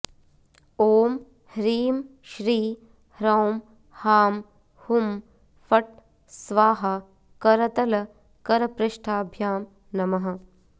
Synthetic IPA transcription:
oːm | hɾiːm | ʃɾiː | hɾɐwm | haːm | hum | fɐʈ̚ | sʋaːɦɐ | kɐɾɐt̪ɐlɐ | kɐɾɐpɾɪʃʈʰaːbʱjaːm | nɐmɐɦɐ̆

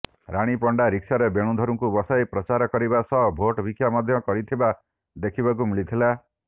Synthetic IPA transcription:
ɾaɽ̃ipɔɳɖaɾiksaɾebeɽ̃ũd̪ʱɔɾuŋkubɔsajpɾɔt͡ʃaɾɔkɔɾibasɔbʱoʈbikʰjamɔd̪ʱjɔkɔɾit̪ʰiba | d̪ekʰibakumilit̪ʰila

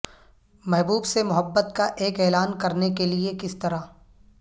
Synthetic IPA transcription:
mɛɦbuːbsemʊɦəbːət̪kaʔeːkɛːlaːnkɐɾnekeliekɪst̪ɐɾa

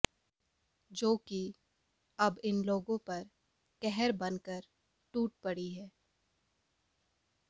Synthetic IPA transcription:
d͡ʒoːki | ɐbɪnloːɡõpɐɾ | kɛɦɛɾbɐnkəɾ | ʈuːʈ̚pɐɽiɦɛː

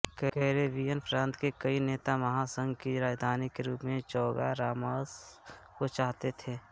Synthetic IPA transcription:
kəɦɾebiːjənpʰɾãːnt̪kekəineːt̪aməɦasə̃ŋɡkiɾaːd͡ʒd̪ʱaːnikeɾuːpmẽt͡ʃɔːɡa̰ɾaːməskot͡ʃaːɦt̪et̪ʰeː

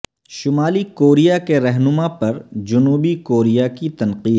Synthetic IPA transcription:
ʃʊmaːlikoːɾijakeɾɛɦnʊmapɐɾd͡ʒʊnuːbikoːɾijakit̪ɐnqiːd̪

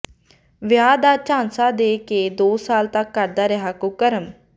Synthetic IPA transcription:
ʋɪjaːd̪aːt͡ʃãːnsaːd̪eːkeːd̪oːsaːlt̪əkːəɾd̪aːɾəɦaːkʊkəɾəm

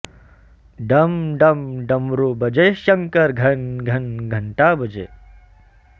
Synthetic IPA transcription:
ɖɐmɖɐmɖɐmɾubɐd͡ʒeʃɐŋkɐɾɡʱɐnɡʱɐnɡʱɐɳʈaːbʱɐd͡ʒḛː

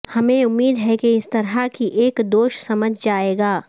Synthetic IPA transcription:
hɐmẽʊmːiːd̪ɦɛkeɪst̪ɐɾakiʔeːkd̪oːʃsɐməd͡ʒʱd͡ʒaːeːɡaː

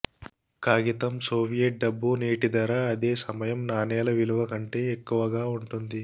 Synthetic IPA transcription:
kaːɡit̪ɐmsoːbijɐʈ̚ɖɐbːuneːʈid̪ɐɾaɐd̪e̞ːsɐmɐjɐmnaːnɛːlɐʋiluʋɐkɐɳʈe̞ːekːuʋɐɡaːuɳʈund̪i

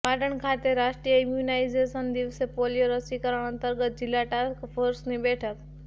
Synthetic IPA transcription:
ʋaːɖəɳ̃kʰaːt̪eɾaːʃʈɾijəɪmjunaːɪzeːsənd̪iʋsepolijoɾəsikəɾəɽ̃ə̃nt̪əɾɡət̪̚d͡ʒɪlaʈaːskpʰoːɾsnibeːʈʰək

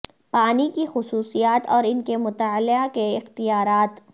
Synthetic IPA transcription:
paːnikixʊsuːsijaːt̪ɔːɾɪnkemʊt̪aːlɪakeɪxt̪ijaːɾaːt̪

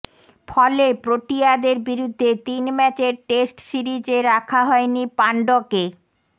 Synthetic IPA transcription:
fʰɔlepɾoʈijad̪eɾbiɾud̪ʱːet̪inmɛt͡ɕeɾʈesʈsiɾid͡ʑeɾakʰaɦɔenipaɳɖoke

